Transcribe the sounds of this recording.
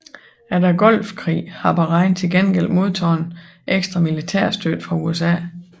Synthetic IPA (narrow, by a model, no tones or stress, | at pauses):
æɐɾɑɡ̥ɒ̽l̰fkʰʁḭːhɑ̈b̥ɑ̈ʁɑ̈ɪnt͡sʰe̝lɡ̥enɡ̥el̰d̥mo̝ð̞ˠt͡sʰɒːn | ʔeɡ̥sd̥ʁɑmilit͡sʰæɐ̰sd̥ød̥fʁɑ̈uesɛ̰ː